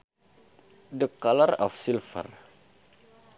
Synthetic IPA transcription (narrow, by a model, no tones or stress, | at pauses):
dəkːalara̰fsilfə̰r